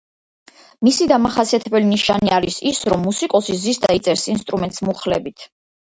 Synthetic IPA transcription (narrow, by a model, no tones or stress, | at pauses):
misid̪amaχasiat̪ʰɛbɛliniʃaniaɾisisɾɔmːusikʼɔsizisd̪a̰it̪sʼɛɾsinst̪ʼɾumɛnt̪ʼsmuχlɛbit̪ʰ